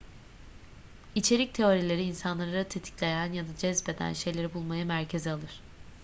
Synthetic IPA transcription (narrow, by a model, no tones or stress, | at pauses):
it͡ʃʰe̞ɾic̚t̪ʰe̞o̞ɾilʲe̞ɾiːnsanlˠaɾɯt̪ʰet̪ʰi̥clʲe̞jænjad̪ad͡ʒɛzbe̞d̪æ̰nʃe̞jlʲeɾibulˠmajɯmæɾcʰe̞zialˠɯɾ̥